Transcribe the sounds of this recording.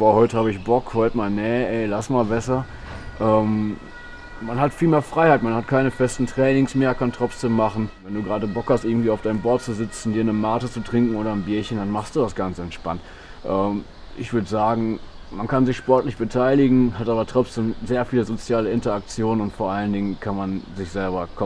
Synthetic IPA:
v̥oːhɔʏtəhaːbəɪçb̥ɔkhɔʏtəmaːlnɛɛɪlasmaːlbɛsɐ | ʔɛːm | manɦatfiːlmeːɐfʁ̥aɪhaɪtmanhatkʰaɪnəfɛstn̩tʁ̥ɛːnɪŋsmeːɐkʰantʁ̥ɔt͡sd̥eːmːaχn̩vɛnduːɡʁaːdəbɔkhast̚ʔɪɐɡŋ̩tv̥iːaʊfdaɪnəmbɔɐt̚t͡suzɪt͡sn̩diːɐnəmaːtət͡sutʁ̥ɪŋkŋ̩ʔoːɾɐɪmbiːɐçəndanmaχst̚d̥uːdasɡ̥ant͡səɛntʃpa̰nt | ʔɛːm | ʔɪ̰çv̥ʏɐdəzaːɡŋ̩ | mankanzɪçʃpɔɐtlɪçb̥ətʰaɪlɪɡŋ̩ɦatʔaːbɐtʁ̥ɔt͡sd̥eːmzeːɐfiːləzot͡sjaːləɪntɐak̚t͡sjoːnənʊntfoːɐʔaləndɪŋənkʰanmanzɪçz̥ɛlbɐkʰɔ

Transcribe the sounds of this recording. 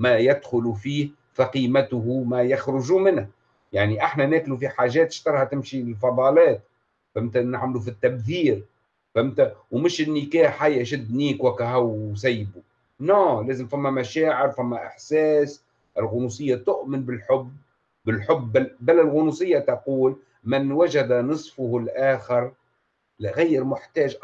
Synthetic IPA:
mæjæd̪xʊlufiːh | faqiːmæt̪ʊhumæjaxɾʊʒumɪnhæ | jaʕniʔaħnænæːklufiħaːʒɛːt̪ɪ̥ʃt̪ɑɾˤhat̪ɪmʃilfɑd̪ˤɑːlɛːt̪ | fæmt̪ænaʕmlufit̪ːæbθiːɾ | fæmt̪æwmɪʃɪnːɪkæːħajːæʃɪd̪ːniːkwækːæɦæwsajːbu | noːleːzɪmfamːamaʃæːʕɪɾfamːaʔɪ̰ħsɛːs | ʔɪlɣʊnusˤɨjːat̪ʊʔmɪnbɪlħʊbː | ɪlħʊbːbalalɣʊnusˤɨjːat̪ɑquːl | mɪnwaʒad̪anɨsˤfʊhlʔaːxɪɾ | lɣajːɪɾmʊħt̪ɛːʒ

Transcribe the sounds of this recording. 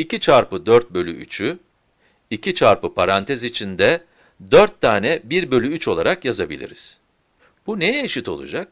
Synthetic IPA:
icit͡ʃʰaɾpɯd̪øɾt̪̚bø̞lʲy̰ʔy̰t͡ʃʰy | icʰit͡ʃʰaɾpɯpʰaɾant̪ʰɛzit͡ʃʰind̪ɛ | d̪øɾt̪ʰːaːnɛbiɾbø̞lʲyyt͡ʃo̞lˠaɾakjazabḭlʲḭɾiz̥ | b̥unejeʃit̪ʰo̞̰lˠṵd͡ʒak̚

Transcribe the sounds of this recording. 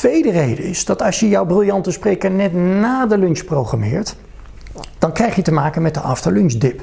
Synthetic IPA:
tʋejdərejdəɪsdɑtɑsjəjɔwbrɪlˠjɑntəsprejkəɹnɛtnaːdəlʏnsprowχra̰mɪːɹt | d̥ɑnkrɛjχjətəmaːkənmɛt̚dəʔɑftəlʏnsdɪp

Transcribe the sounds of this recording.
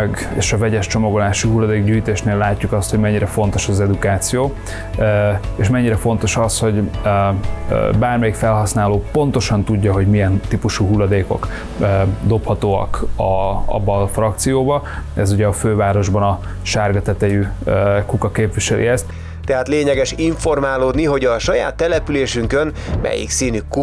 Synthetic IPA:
ɡ | ḛːʃɒvɛɟɛʃt͡ʃo̞mɒɡolaːʃiɦulːɒd̪eːɡɟyːjt̪eːʃneːlːaːcːukɒst̪ho̞ɟmɛɲːiɾɛfo̞n̪t̪o̞ʃɒzɛd̪ukaːt̪sijoː | eʃmɛɲːiɾɛfo̞nt̪o̞ʃɒsho̞ɟ | baːrmɛjikfɛlɦɒsnaːloːpo̞n̪t̪o̞ʃɒnt̪uɟːɒɦo̞ɟmijɛnt̪ipuʃuɦulːɒd̪eːko̞̰kː | d̪o̞phɒt̪oːɒ̰kɒɒ̰bːɒːfrɒk̚t̪sijoːbɒɛzuɟɛɒføːvaːɾo̞ʒbɒnɒ | ʃaːrɡɒt̪ɛt̪ɛjykukɒkeːpʋiʃɛlʔḭɛst̪ | t̪ɛɦaːt̪leːɲɛɡɛʃiɱfo̞rmaːloːd̪niɦo̞ɟɒʃɒja̰ːt̪ːɛlɛpyleːʃyŋkøn | mɛ̰jḭksiːnyku

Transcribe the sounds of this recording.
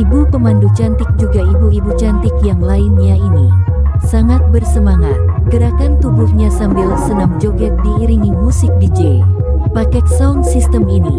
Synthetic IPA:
ibupəmandut͡ʃant̪ɪk̚d͡ʒuɡaibuibut͡ʃant̪ɪkjaŋlainɲainisaŋat̪̚bərsəmaŋat̪̚ɡəɾakant̪ubuhɲasambɪlsənamd͡ʒoɡɛt̪̚diːɾiŋɪmusɪk̚did͡ʒe | pakɛk̪̚sauŋsist̪əminḭ

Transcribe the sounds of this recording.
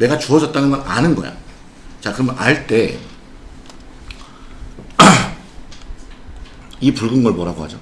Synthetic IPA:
ne̞ɡat͡ɕuʌd͡ʑʌt̚t͈anɯnɡʌnanɯnɡʌja̰ | t͡ɕakɯɾʌmʌnʔaɭt͈e̞ | ipuɭɡɯnɡʌɭmʌɾaɡohad͡ʑo

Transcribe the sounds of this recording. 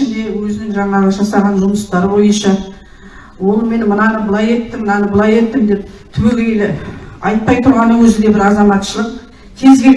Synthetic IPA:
ɪnd̪e̞wɵzɪnɪŋʒɑɴɑʁəʒɑsɑʁɑnʒʊməst̪ɑɾbo̞jənʃɑ | wo̞lˠme̞nmənɑnəbəlˠɑje̞t̪ːɪmənɑnəbəlˠɑje̞t̪ːɪmd̪e̞p̚t̪ʰɪweɡʲejlɪɑjt̪̚pɑjt̪ʰʊɾʁɑnəwɵzɪd̪e̞bɪɾɑzɑmɑt̪ʃəlˠəq̚ | t̪ʰe̞zɡʲe̞l

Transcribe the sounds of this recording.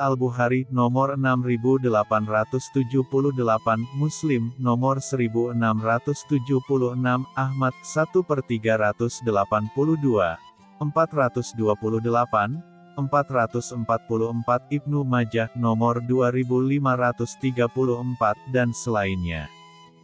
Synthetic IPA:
albuɦaɾinɔmɔrənamribudəlapanrat̪ʊst̪ud͡ʒuhpuluhdəlapanmuslɪmnɔmɔrsəɾibuənamrat̪ʊst̪ud͡ʒuhpuluhənamahmat̪̚sat̪upərt̪iɡaɾat̪ʊsdəlapanpuluhdua | əmpat̪̚rat̪ʊsduapuluhdəlapan | ʔəmpat̪rat̪ʊsəmpat̪̚puluhəmpat̪̚ib̚numad͡ʒahnɔmɔrduaɾibulimaɾat̪ʊst̪iɡapuluhəmpat̪̚dansəlainɲa̰

